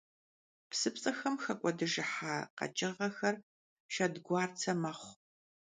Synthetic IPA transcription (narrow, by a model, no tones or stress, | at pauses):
psɨpsʼɐxɐmxɐkʷʼɔdɨʒɨħaːqɐ̰t͡ʃʼɪʁɐxɐr | ʃɐdɡʷɑːrt͡sʰɐmɐχʷ